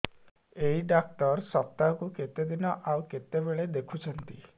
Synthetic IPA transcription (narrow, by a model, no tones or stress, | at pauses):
eɦiɖak̚ʈɔɾsɔp̚t̪aɦɔkuket̪ed̪inɔʔawket̪ebeɭed̪ekʰut͡ʃʰɔnt̪i